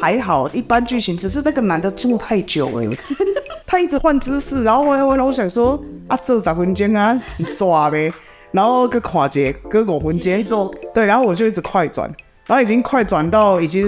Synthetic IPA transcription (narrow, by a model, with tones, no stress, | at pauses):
ha˧˦ɪxɑ˨˩ʊi˥˩pa˦nt͡ɕy˥˩ɕi˧˦ns̩˥˧˩ʂ̬ɻ̩˥˧na˥˩ɡə˨na˨˦nd̪ə˨t͡su˥˧˦t̪ʰa˥˧˩ɪt͡ɕjo˨˩ʊḛ˧˩˦t̪ʰa˥i˥˩t͡s̩˨˩xwa˥˩˧nt͡sɹ̩˥s̩˥˩na˧˥nxo˥˩wɔ˧˥a˥˧˦wna˧˥˦wɔ˧ɕja˨˩ŋswɔ˦˥ʔa˧t͡sɤ˥˩t͡sa˨˩xwu˧˦nt͡ɕjɛ˥na˧i˨˩swa˨˩bɛ˨˦ | na˧˦nho˥˧ʊ˧kə˧˦kʰwa˨˩t͡ɕjɛ˨˩˦kɤ˥˦kwɔ˨˩xə˧˦nt͡ɕjɛ˦˥nt̪we˥˩a˧˦xo˥˩wɔ˨˩t͡ɕjo˥˧ʊi˥˩t͡s̩˨kʰwa˥˩ɪt͡swa̰˨˩n | ɻa˧˦ho˥˩i˨˩t͡ɕi˦ŋkʰwa˥˩ɪt͡swa˨˩nt̪a˥˩ʊi˨˩t͡ɕi˦